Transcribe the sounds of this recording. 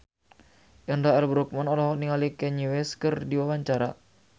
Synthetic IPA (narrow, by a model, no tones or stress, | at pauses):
ʔəndaɛrbɾɔk̚manɔlɔɦɔniŋalikɛɲiwɛskɨrdiwawaɲt͡ʃaɾa